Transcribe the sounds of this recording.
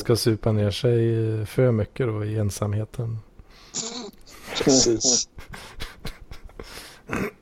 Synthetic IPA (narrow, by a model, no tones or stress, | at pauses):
skasʉ̟ːpaneːʂɛjfœɾmʏkːəd̪ɔɪɛnsamheːt̪ʰən | ɛiːs